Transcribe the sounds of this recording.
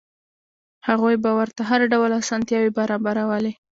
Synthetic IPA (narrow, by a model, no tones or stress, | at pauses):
haɣujbawəɾt̪aɦaɾɖawəlasɑnt̪jɑwebaɾɑbaɾawəle